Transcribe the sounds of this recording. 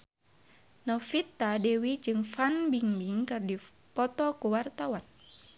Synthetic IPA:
nɔfit̪ːadɛwid͡ʒɨŋfanbiŋbiŋkɨrdi | pɔt̪ɔkuwart̪awan

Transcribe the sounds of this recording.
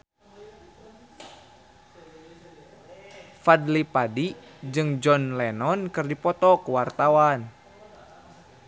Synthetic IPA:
fadlipadid͡ʒɨŋd͡ʒɔnlɛnɔnkɨrdipɔt̪ɔkuwart̪awan

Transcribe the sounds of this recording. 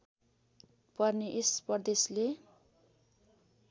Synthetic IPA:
pʌrneʔespʌrd̪esle

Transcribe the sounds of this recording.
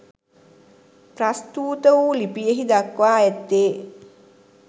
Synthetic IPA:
prast̪uːt̪əʋuːlipijəɦid̪akʋaːet̪ːeː

